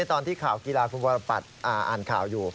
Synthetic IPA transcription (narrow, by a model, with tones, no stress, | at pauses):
a˧˥jt̪ɔː˧nt̪ʰiː˥˩kʰaː˨˩˦wki˧laː˧kʰu˧nbɔː˧ɾa˧pa̰˨˩t̪̚ʔaː˨˩ʔa̰ː˨˩nkʰa̰ː˨˩˦wjuː˨˩